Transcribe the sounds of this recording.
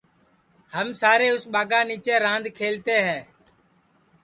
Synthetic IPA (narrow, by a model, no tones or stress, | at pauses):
həmsaːɾeːʊsɓaːɡãːniːt͡ʃeːɾãːnd̪ʱkʰeːlt̪eːɦɛː